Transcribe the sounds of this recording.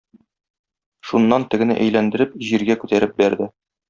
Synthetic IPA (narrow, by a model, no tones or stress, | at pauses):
ʃunːɑnt̪ɘ̆ɡɘ̆nɘ̰ʔæ̰jlænd̪ɘ̆ɾɘp̚ʑiɾɡækʉt̪æɾɘp̚bæɾd̪ɘ